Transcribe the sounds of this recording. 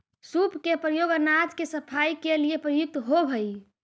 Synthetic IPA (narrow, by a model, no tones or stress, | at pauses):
supkepɾəjoɡənad͡ʒkesəpʰaikeliepɾəjʊk̚t̪ɦobʱəj